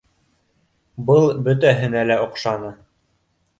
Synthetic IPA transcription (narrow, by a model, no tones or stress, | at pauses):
bɤlˠbɵt̪æɦɘ̆nælæŏqʃɑnɤ